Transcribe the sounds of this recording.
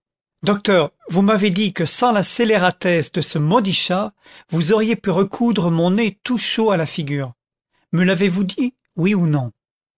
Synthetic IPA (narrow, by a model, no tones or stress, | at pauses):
d̪ɔk̚t̪œːʁvumaved̪ikəsɑ̃laseleʁat̪ɛsd̪əsəmɔd̪iʃa | vuzɔʁjepyʁəkʰud̪ʁəmɔ̃net̪uʃoalafiɡʲyːʁ | məlavevud̪i | wiunɔ̃